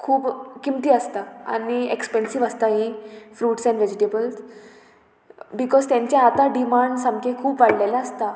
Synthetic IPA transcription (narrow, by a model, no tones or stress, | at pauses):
kʰuːpkimt̪iːəst̪aa̰niekspɛnsiʋəst̪aɦĩfɾuːʈsɛ̃ɳɖʋed͡ʑiʈebəls | bikɔzt̪jãɲt͡ɕjaat̪aɖimaɳɖsamkʰekʰuːpʋaɽlelaəst̪a